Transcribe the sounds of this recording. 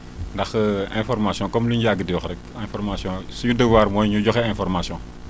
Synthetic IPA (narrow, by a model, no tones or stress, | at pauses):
ndɐxɛ̃fɔɾmasjɔ̃kɔmliɲɟaɡədijɔxɾɛkɛ̃fɔɾmasjɔ̃sujudəwaːɾmɔjɲuɟɔxɛɛ̃fɔɾmasjɔ̃